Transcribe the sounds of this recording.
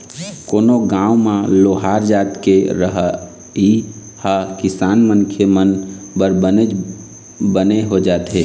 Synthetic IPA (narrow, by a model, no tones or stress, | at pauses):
koːnoɡãːũmãloɦaɾd͡ʒaːt̪keɾəɦ | i | hakɪsaːnmənkʰemən | bəɾbəne | bəneɦod͡ʒaːt̪ɦe